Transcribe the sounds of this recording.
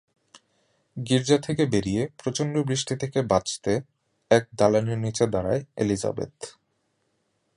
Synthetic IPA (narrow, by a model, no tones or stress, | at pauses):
ɡiɾd͡ʑat̪ʰekebeɾijepɾot͡ɕonɖobɾiʃʈit̪ʰekebat͡ɕt̪e | ɛk̚d̪aloniɾnit͡ɕed̪aɾaeelid͡ʑa̰bḛt̪